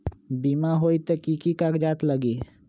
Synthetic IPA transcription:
biːmaɦoːit̪ekikikakd͡ʒaːt̪ləɡiː

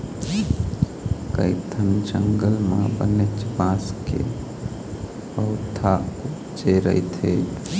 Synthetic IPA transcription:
kə̰ɪt̪ʰənd͡ʒəŋɡəlmã̰bə̰net͡ʃbaːskḛ | pəʊt̪ʰaʊ | d͡ʒeɾə̰it̪ʰeː

